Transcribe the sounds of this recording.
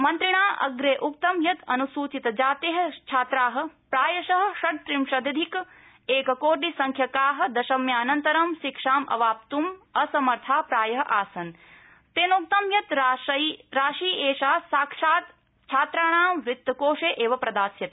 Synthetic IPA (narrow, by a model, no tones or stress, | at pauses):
mɐnt̪ɾiɳaːʔɐ̰ɡɾeːʔuk̚t̪ɐmjɐt̪ɐ̰nusuːt͡ʃit̪ɐd͡ʒaːt̪eɦɐ̆t͡ʃʰaːt̪ɾaːɦɐ̆pɾaːjɐʃɐɦɐ̆ʃɐʈ̚t̪ɾimʃɐd̪ɐd̪ʱik | eːkɐkoːʈ̬isɐŋkʰjɐkaːɦɐ̆d̪ɐʃɐmjaːnɐnt̪ɐɾɐmʃikʂaːmʔɐ̰ʋaːp̚t̪umɐsɐmɐɾt̪ʰaːpɾaːjɐɦɐʔaːsɐn | t̪eːnuk̚t̪ɐmjɐt̪ɐɾaːʃiːʔeːʃaːsaːkʂaːt̪ | t͡ʃʰaːt̪ɾaːɳ̃ãːmʋɾɪt̪ːɐkoːʂeːʔeːʋɐpɾɐd̪aːsjɐt̪